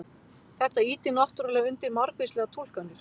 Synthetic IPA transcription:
θɛht̪aiːt̪ɪnaht̪yɾalɛɣʏnt̪ɪɾmaɾkvɪslɛːɣat̪ʰul̥kanːɪɾ̥

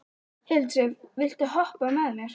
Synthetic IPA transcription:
hɛlt̪ɾɪvvɪlt̪ɪɦɔhpamɛðnɛɾ̥

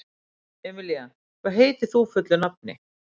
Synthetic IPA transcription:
ɛmɪljan | faɦeːt̪ɪθuːfɪt̪lɪnap̚nɪ̰

